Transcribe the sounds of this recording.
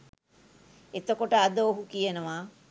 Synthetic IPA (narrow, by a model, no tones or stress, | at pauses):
et̪əkoʈəad̪əoɦukijənəʋa